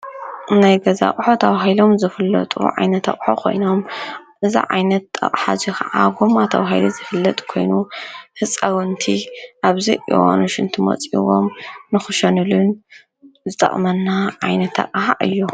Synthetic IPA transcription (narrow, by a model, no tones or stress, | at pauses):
najɡɐza̰kʼħot̪ʰɐβaɦajlo̞mzɨfɨlːɐ̰t̪ʼṵʕa̰jnɐt̪ʰa̰kʼħokʰo̞̰jno̞m | ʔɨzḭʕa̰jnɐt̪ɐ̰kʼħa̰zikʰɐʕaɡomat̪ʰɐβaɦajlizɨfɨlːɐt̪ʼkʰo̞̰jnuhɨt͡sʼɐwɨnt̪ʰiʔaβzɐ̰jʔḭwa̰nuʃɨnt̪ʰɨmɐ̰t͡sʼḭwo̰mnɨxɨʃɐnɨlɨn | zɨt̪ʼɐ̰χʼmɐnːaʕajnɐt̪ʰɐ̰qʼħaʔɨ̰jːu